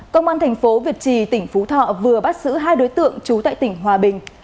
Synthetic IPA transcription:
kə˧wŋ͡mʔaː˧nt̪ʰɛ˨˩jŋ̟fo˨˦vi˨˩ət̚t͡ɕi˨˩t̪ï˧˩ŋ̟fu˨˦t̪ʰɔ̰˧˨vɨ˨˩əɓa˦˥t̚z̥ɨ̰˧˥ɦaː˧jɗo˨˦jt̪ɨ̰˧˨əŋt͡ɕu˨˦t̪a̰ː˧˨jt̪ï˧˩ŋ̟ɦwaː˨˩ɓï˨˩ŋ̟

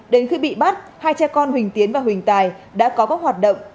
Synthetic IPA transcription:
ɗe˨˦nxi˧ɓḭ˧˨ɓa˦˥t̚haː˧jt͡ɕɛ˧kɔ˧nhwï˨˩ŋ̟t̪i˨˦ənvaː˨˩wï˨˩ŋ̟t̪aː˨˩jɗa̰ː˧˥kɔ˨˦kɔː˦˥k̚waː˨˩t̚ɗə̰˧˨wŋ͡m

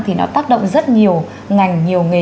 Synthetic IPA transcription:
t̪ʰi˨˩nɔ̰˨˦t̪aː˦˥k̚ɗə̰˧˨wŋ͡mzə˦˥t̚ɲi˨˩əw | ŋa˨˩jŋ̟ɲi˨˩əwŋɨ˨˩

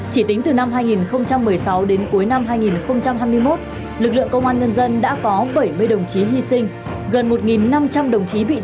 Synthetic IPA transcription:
t͡ɕi˧˩t̪ï˨˦ŋ̟t̪ɨ˨˩na˧mɦaː˧jŋi˨˩nxə˧wŋ͡mt͡ɕa˧mːɨ˨˩əjsa˨˦wɗe˨˦nku˨˦jna˧mɦaː˧jŋi˨˩nxə˧wŋ͡mt͡ɕa˧mhɦaː˧jmɨ˧əjmo˦˥t̚ | lɨ˨˩k̚lɨ̰˧əŋkə˧wŋ͡mʔaː˧nŋə˧nzə˧nɗa̰ː˧˥kɔ˨˦ɓə˧˩jmɨ˧əjɗə˨˩wŋ͡mt͡ɕi˨˦ɦi˧sï˧ŋ̟ | ɣə˨˩nmo˨˩t̚ŋi˨˩nːa˧mt͡ɕa˧mɗə˨˩wŋ͡mt͡ɕi˨˦ɓḭ˧˨

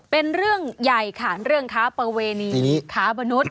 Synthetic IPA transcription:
pe˧nɾɯ˥˩əŋja˨˩jkʰaː˩˦nɾɯ˥˩əŋkʰaː˦˥pɾa˧weː˧niː˧i˧niː˦kʰaː˦˥ba˧nu˦˥t̪̚

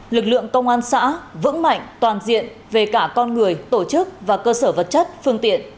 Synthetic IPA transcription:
lɨ˨˩k̚lɨ̰˧˨əŋkə˧wŋ͡mʔaː˧nsa̰ː˧˥vɨ̰˧˥ŋma̰˧˨jŋ̟t̪waː˨˩nzḭ˧˨ən | ve˨˩kaː˧˩kɔ˧nŋɨ˨˩əjt̪o˧˩t͡ɕɨ˦˥k̚vaː˨˩kəː˧səː˧˩və˨˩t̚t͡ɕə˦˥t̚fɨ˧əŋt̪ḭ˧˨ən

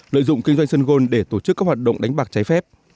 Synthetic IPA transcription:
lə̰ː˧˨jzʊ̰˧˨ŋ͡mkï˧ŋ̟zwa˧ŋ̟sə˧nɣo˧nɗe˧˩t̪o˧˩t͡ɕɨ˦˥kaː˦˥k̚hwaː˨˩t̚ɗə̰˧˨wŋ͡mɗa˨˦jŋ̟ɓaː˨˩k̚t͡ɕa˨˦jfɛ˦˥p̚

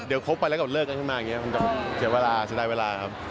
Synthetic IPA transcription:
di˩˦wkʰo˦˥pːa˧jlɛ˦˥ka˨˩lɤː˥˩ka˧nkʰɯ˥˩nmaː˧jŋi˦˥ɐ˥ma˧nt͡ɕɔ˨˧˩sʰɯ˨˩˦weː˧laː˧t͡ɕʰi˨˦daː˧jweː˧laː˧kʰa˦˥p̚

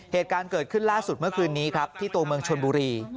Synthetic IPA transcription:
heː˨˩t̪̚kaː˧nkɤː˨˩t̪̚kʰɯ˥˩nlaː˥˩su˨˩t̪̚mɯ˥˩ɐkʰɯː˧nːiː˦˥kʰɾa˦˥p̚t̪ʰiː˥˩t̪u˧ɐmɯ˧əŋt͡ɕʰo˧nbuː˧ɾiː˧

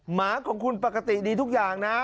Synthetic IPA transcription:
maː˩˦kʰɔː˩˦ŋkʰu˧npaː˨˩ka˧t̪i˨˩diː˧t̪ʰu˦˥k̚jaː˨˩ŋna˦˥

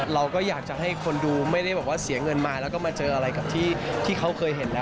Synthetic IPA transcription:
ɾa˧wkɔː˥˩jaː˨˩k̚t͡ɕa˨˩ɦa˥˩jkʰo˧nduː˧ma˥˩jda˥˩jbɛː˨˩p̚waː˥˩si˨˩˦ŋɤ˧nmaː˧lɛː˦˥wkɔː˥˩maː˧t͡ɕɤː˧ʔa˧ɾa˧jka˨˩p̚t̪ʰiː˥˩t̪ʰiː˥˩kʰa˦˥wkʰɤː˧jɦe˩˦nlɛː˦˥

